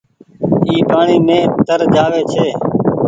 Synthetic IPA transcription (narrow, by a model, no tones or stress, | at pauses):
iːpaːɳiːmẽːt̪əɾd͡ʒaːʋeːt͡ʃʰeː